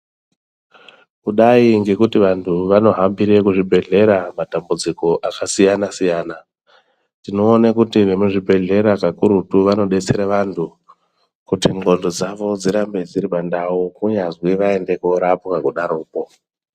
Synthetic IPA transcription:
kuɗaiŋɡe̞kutiʋantʰuʋano̞ɦambiɾe̞kuʐibʱe̞ɮe̞ɾamatambud͡ziko̞ʔakasijanasijaːna | tino̞ːnakutiʋe̞muʐibʱe̞ɮe̞ɾakakuɾutuʋano̞ɗe̞t͡seɾeʋantʰu | kutiŋ͡ǃʱo̞ndod͡zaʋo̞d͡ziɾambe̞d͡ziɾiɓandawukuɲazwiʋaende̞koɾapukakuɗaɾoːpo̞

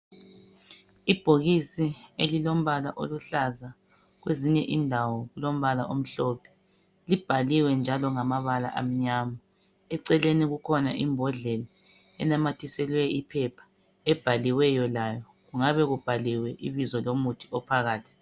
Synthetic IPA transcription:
ib̥ʱoɣisielilom̩βalaʔoluɬaza | ɣweziɲɛʔindʱawɔɣulom̩βalaʔom̩ɬɔpʰɛ̥ | lib̥ʱaliwɛnd͡ʒʱalɔŋamaβala̰ʔa̰m̩ɲaːma | ɛǀɛleniɣukʰɔnaʔḭmbʱɔɮɛla | ɛ̰namatʰisɛlwɛipʰɛpʰḁ | ɛb̥ʱaliwɛjɔlajɔ | ɣuŋaβɛɣub̥ʱaliwɛʔiβizɔlomutʰi̥ɔpʰaɣaːtʰi̥

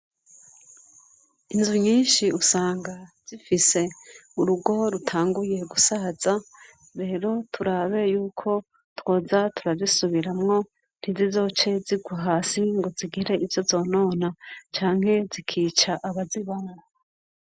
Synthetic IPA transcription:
inzuɲiːnʃiusaːŋɡaz̥ifise̞uɾuɡo̞ɾutʰaːŋɡuje̞ɡusaz̥a | ɾe̞ːɾo̞tʰuɾaβe̞juːkʰo̞ | two̞ːzatʰuɾazisuβiɾamŋo̞ | n̥hizizo̞ːt͡ʃe̞ziɡwaɦaːsiŋɡo̞ziɡiɾe̞ʔivjo̞zo̞ːno̞ːnat͡ʃaːŋ̥he̞zikʰiːt͡ʃaʔaβaziβamŋo

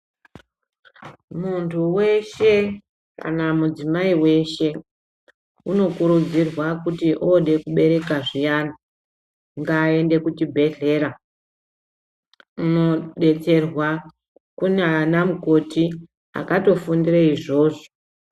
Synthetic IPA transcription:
muntʰuwe̞ʃe̞ | ka̰namud͡zimaiwe̞ʃe̞ | uno̞kuɾud͡zirwakutiʔoɗe̞kuɓe̞ɾe̞kaʐijana | ŋɡaːe̞nde̞kutibʱe̞ɮe̞ːɾa | uno̞ɗe̞t͡se̞rwa | kuneanamuko̞ti | a̰kato̞fundiraiʐo̞ːʐo

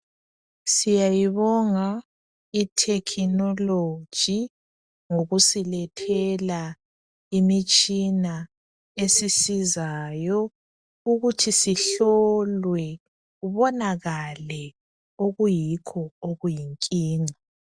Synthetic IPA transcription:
sijajiβɔŋa | itʰɛkʰinɔlo̥ʒ̥ʱi | ŋoɣusilɛtʰɛla | imit͡ʃʼina | esisizaːjɔ | uɣutʰisiɬɔlwɛ | ɣuβɔnaɣalɛ | oɣujikʰɔoɣujiŋkʼiːŋa

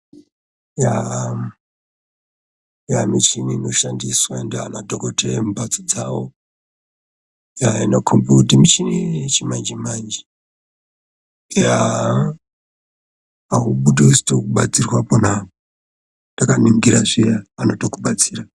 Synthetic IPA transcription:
ja | jamit͡ʃiniːno̞ʃandiswaendeanodokotemubat͡sod͡zawo | jainokʰombutimit͡ʃinit͡ʃimand͡ʒimand͡ʒi | ja | aɦuɓuɗusi̥tokuɓat͡sirwaponao | ndakaniŋɡiɾaʐijaano̞tokuɓat͡siːra

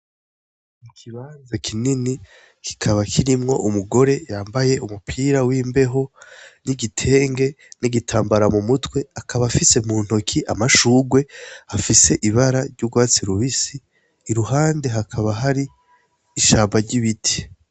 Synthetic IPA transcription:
mikʰiβaːnzakʰinini | kʰi̥kʰaβakʰiɾimŋo̞ʔumuɡo̞ɾe̞jaːmbaje̞umupʰiɾawiːmbe̞ɦo̞niɡitʰe̞ːŋɡe̞ | niɡitʰaːmbaɾamumutwe̞akʰaβafise̞muːn̥hokʰiʔa̰maʃuːɡwe̞afise̞ʔiβaɾaɾɟuɡwaːt͡siɾuβisiː | ɾuɦaːnde̞ɦakʰaβaɦaɾiː | ʃaːmbaɾɟiβitʰi̥

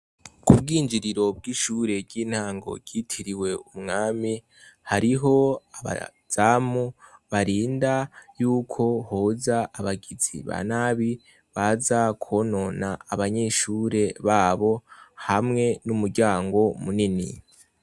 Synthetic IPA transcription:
kubɡiːnd͡ʒiɾiɾo̞b̚ɡiːʃuːɾe̞ɟiːn̥haːŋɡo̞̰ɾɟiːtʰiɾiwe̞umŋaːmi | haɾiɦo̞aβa̰ | z̥aːmuβaɾiːndajuːkʰo̞hoːzaːβaɡizḭβa̰naːβi | βazakʰono̞naːβaɲe̞ːʃuːɾe̞βaːβo̞hamŋe̞numuɾɡɟaːŋɡo̞munini

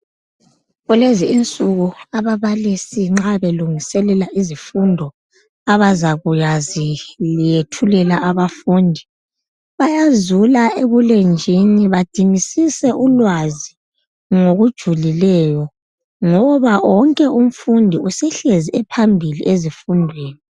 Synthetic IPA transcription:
ɣuleziint͡sʼuɣuaβaβalisiŋ͡ǁaβeluŋisɛlɛlaʔizifundʱɔ | aβazaɣujazilijetʰulɛlaʔaβafundʱi | βajazulaeβulend͡ʒʱiniβad̥ʱiŋisisɛʔulwazi | ŋoɣud̥ʒ̥ʱulilɛjɔ | ŋɔβaɔŋkʼɛum̩fundʱiusɛɬeziʔɛpʰambʱilḭʔezifundʱweːni

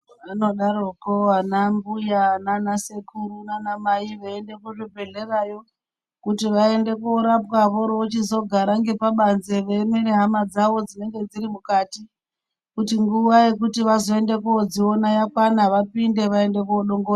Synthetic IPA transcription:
ano̞ɗaɾokoanambujananasekuɾunanamaiʋeende̞kuʐibʱe̞ɮe̞rajo̞ | kutiʋae̞nde̞kuoɾapwaʋo̞ɾoot͡ʃizo̞ɡʱaɾaŋɡe̞paɓanze̞ʋemeɾeɦamad͡zaʋo̞d͡zine̞ŋɡe̞d͡ziɾimukati | kutiŋɡuʋaje̞kutiʋazo̞e̞nde̞kuod͡zionajakwanaʋapinde̞ʋae̞nde̞kuoɗo̞ŋɡora

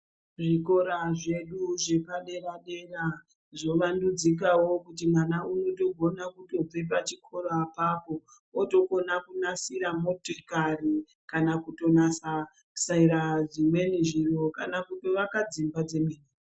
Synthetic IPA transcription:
ʐiko̞ɾaʐe̞ɗuʐekaɗe̞ɾaɗe̞ra | ʐo̞ʋandud͡zik̬awo̞kutimwanauno̞to̞ɡʱo̞nakuto̞b͡vep̬at͡ʃikʰo̞ɾapaːpo | oto̞ko̞nakunasiɾamotorikari | kanakuto̞nasa | saiɾaʐimwe̞niʒiro̞kanakutoʋakad͡zimbad͡ze̞miːni

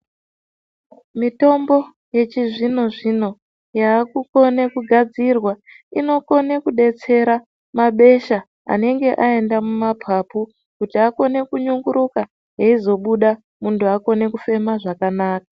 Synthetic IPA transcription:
mito̞mbo̞ | je̞t͡ʃiʐino̞ʐino̞ | jaːkuko̞nekuɡʱad͡zirwa | ino̞ko̞ne̞kuɗe̞t͡se̞ɾa | maɓe̞ʃa | a̰ne̞ŋɡe̞ʔae̞ndamumapʰapu | kutiako̞ne̞kuɲuŋɡuɾuka | ɦeizo̞ɓuɗa | muntuako̞ne̞kufe̞maʐakanaːkḁ

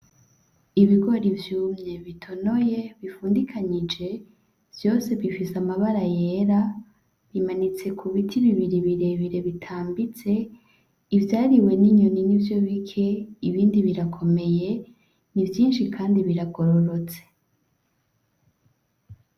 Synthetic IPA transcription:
iβiɡo̞ɾivjuːmɲe̞βitʰo̞no̞je̞βifuːndikʰaɲid͡ʒe̞ | v̥jo̞ːse̞βifisamaβaɾaje̞ɾa | βimanit͡se̞kʰuβitʰiβiβiɾiβiɾe̞βiɾe̞βitʰaːmbit͡se̞ | ivjaːɾiwe̞niɲoninivjo̞βikʰe̞iβiːndiβiɾakʰo̞me̞je̞ | nivjiːnʃikʰaːndiβiɾaɡo̞ɾoɾo̞t͡se̥

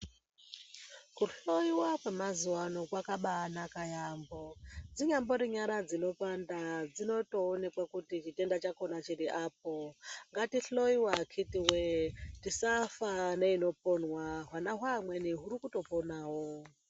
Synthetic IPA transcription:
kuɬo̞iwakwemazuwano̞kwakaɓaːnakajambod͡ziɲambo̞ɾiɲaɾad͡zino̞pandad͡zino̞toːnekwakutit͡ʃite̞ndat͡ʃako̞nat͡ʃiɾiʔaːp̚oŋɡatiɬoiwakʰitiwetisafaneino̞ponwaɦwanaɦwamweniɦuɾikuto̞ponaːwo

